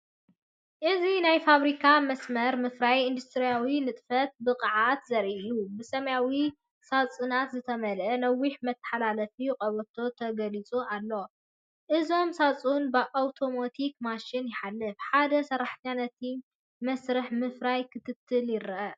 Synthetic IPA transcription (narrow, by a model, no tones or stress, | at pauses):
ʔɨzinajfaβɾikʰamɐsmɐɾmɨfɾajɨnd̪ust̪ʰɾijawinɨt̪ʼfɐt̪̚bɨqʼɐʕat̪zɐɾʔijubɨsɐmɐjawi | sat͡sʼɨnat̪zɨt̪ʰɐmɐlʔɐnɐwːiħmɐt̪ʰːɐ̥ħalalɐfijuqʼɐβɐt̪ʰo̞t̪ʰɐɡɐlit͡sʼuʔalːo̞ | ʔɨzo̞msat͡sʼunbɨʔawt̪ʰo̞mot̪ʰikmaʃinjɪħalːɨfħad̪ɐsɐɾaħɲanɐt̪ʰi | mɐsɾɨħmɨfɾajkʰɨt̪ʰɨt̪ʰːɨljɪɾɐʔɐ